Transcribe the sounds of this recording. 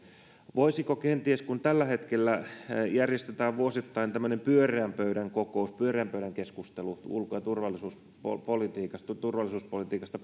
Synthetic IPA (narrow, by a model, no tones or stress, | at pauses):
ʋoisikokent̪ieskunt̪ælːæhet̪kelːæjærjest̪et̪æːʋʋuosit̪ːɑint̪æmːønempyøreæmpøyɾæŋkokouspyøreæmpøyɾæŋkeskust̪eluṵlkojɑt̪urʋɑlːˑisuːs | o̰polit̪iːkɑst̪t̪urʋɑlːˑisuːspolit̪iːkɑst̪ɑ